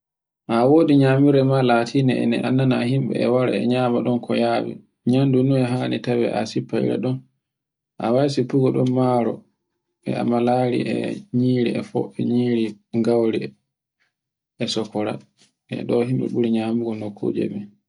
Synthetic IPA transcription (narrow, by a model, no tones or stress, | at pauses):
ʔawoːdiɲamiɾɛmalatʰinɛɛ̰nɛʔanːanahimɓɛ̰ɛwaɾɛ̰ɛɲaːmaɗɔnkɔjawḭ | ɲandunuɛɦanitawɛ̰ʔa̰sipːaḭɾɛ̰ɗɔn | ʔa̰wajs̬ipuɡɔɗɔmmaɾɔ | ɓɛ̰a̰malaɾḭʔɛ̰ɲiːɾiɛfɔ̰ɛɲiːɾi | ŋɡawɾi | ɛsɔkːɔɾa̰ | ɛ̰ɗɔɦimɓɛ̰ɓuɾiɲamuɡɔnokʰːṵd͡ʒɛ̰ɓɛ